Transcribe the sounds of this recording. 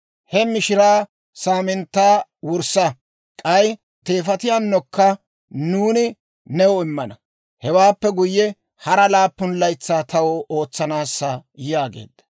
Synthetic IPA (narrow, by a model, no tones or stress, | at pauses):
hɛmɪʃɪɾaː | saːmɪnt̪ːaːwʊɾsɐ | kʼɐj | t̪e̞ːfɐt̪ɪjaːnːɔkːɐ | nuːnɪ | nɛwɔɪmːɐnɐ | hɛwaːpːɛɡʊjːɛ | hɐɾɐlaːpːʊnlɐjt͡sːaːt̪ɐwɔʔoːt͡sːɐnaːsːɐjjaːɡḛːd̪ːɐ̥